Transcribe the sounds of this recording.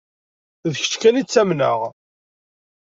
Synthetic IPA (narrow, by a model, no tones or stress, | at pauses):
ðəçə̥t͡ʃkænit͡sːæmnəʁ